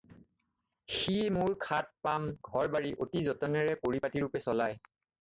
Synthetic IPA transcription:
ximuɹkʰat̚pamɡʱɔɹbaɹiʔotizɔtɔnɛɹɛpoɹipatiɹupɛsɔlaj

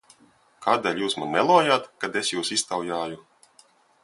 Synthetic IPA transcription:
kaːd̪eːlʲjuːsmanmɛlˠɔːjaːt̪kad̪esjuːsist̪awjaːju

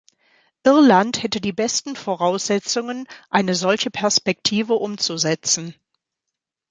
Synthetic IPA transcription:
ʔɪɐlanthɛtədiːbɛstn̩foʁaʊsz̥ɛt͡sʊŋənʔaɪnəzɔlçəpʰɛɐspɛk̚tʰiːvəʔʊmt͡suzɛt͡sn̩

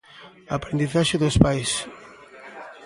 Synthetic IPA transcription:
apɾẽnd̪iθaʃeðospajs

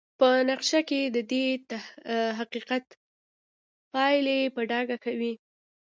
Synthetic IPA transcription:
pənaqʃaked̪əd̪et̪aɦaqiqat̪ | pɑjlepəɖɑɡakawi

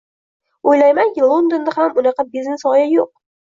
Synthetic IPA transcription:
ojlajmaŋkʲɪlˠond̪ond̪ɪhamʊnɑqɑbiznesɒjajoq̚

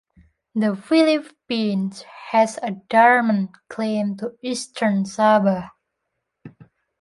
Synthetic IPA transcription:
d̪əfilip | ĩnshɛsədaɹmə̃nkʰlẽmtuistʰəɹnsabə

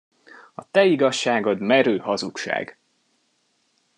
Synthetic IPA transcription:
ɒt̪ɛiɡɒʃːaːɡo̞d̪mɛɾøːhɒzukʃa̰ːɡ

